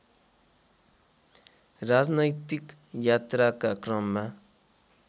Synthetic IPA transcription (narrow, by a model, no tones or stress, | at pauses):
rad͡znʌjt̪ik | jat̪ɾakakrʌmːa